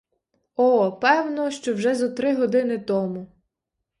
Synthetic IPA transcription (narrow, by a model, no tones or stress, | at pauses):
ɔpɛwnɔʃt͡ʃɔwʒɛzɐt̪ɾɪɦɔd̪ɪnɪt̪ɔmu